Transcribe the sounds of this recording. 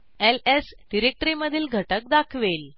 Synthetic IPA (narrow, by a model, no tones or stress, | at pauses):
elesɖiɾek̚ʈɾiməd̪ʱiːlɡʱəʈək̚d̪akʰʋel